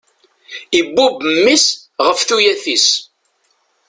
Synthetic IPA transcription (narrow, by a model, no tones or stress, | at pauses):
ibːubmːisʁəfθujæθis